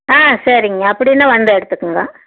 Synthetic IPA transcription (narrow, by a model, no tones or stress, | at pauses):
aːsɐɾɪŋɡɐːpːɐɽɪjnːaːʋɐnd̪ɾɐɛɽɯt̪ːɯkːɯŋɡɐ